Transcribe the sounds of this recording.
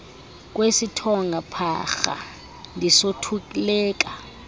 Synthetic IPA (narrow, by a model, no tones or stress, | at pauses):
k̬ʼwesitʰɔŋɡʱapʰa̰xa̰ | ndʱisotʰukʼilɛːk̬ʼa